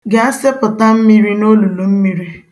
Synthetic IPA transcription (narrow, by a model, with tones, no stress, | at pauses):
ɡe˨a˦sɪ˦pʊ˨ta˦m̩˦mi˦ɾi˦no˦lu˨lu˨m̩˦mi˦ɾi˦